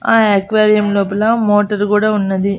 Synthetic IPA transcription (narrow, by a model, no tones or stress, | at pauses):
aːeːkʋaːɾijɐmloːp̬ɐlɐmoːʈɐɾkuːɽaːunːɐd̪i